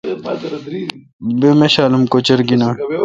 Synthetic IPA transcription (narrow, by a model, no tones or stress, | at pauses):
bemeɕaːlumkot͡ɕɐɾɡinaː